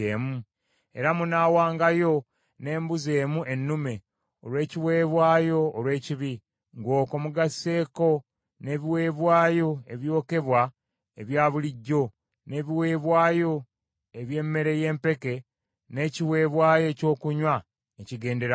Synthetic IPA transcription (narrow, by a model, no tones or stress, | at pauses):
emu | e̞̰ɾamunaːwaːŋɡajo̞ | ne̞ːmbuze̞ːmuʔe̞nːume̞ | olwe̞ːciwe̞ːβwaːjo̞ːlwe̞ːciβi | ŋɡo̞ːkomuɡasːe̞ːko̞ | ne̞ːβiwe̞ːβwaːjo̞e̞βjo̞ːke̞βwa | eβjaːβuliɟːo̞ | ne̞ːβiwe̞ːβwaːjo̞ | eβje̞ːmːe̞ɾe̞je̞ːmpe̞ke̞ | ne̞ːciwe̞ːβwaːjo̞ːco̞ːkuɲwa | eciɡe̞ːnde̞ɾa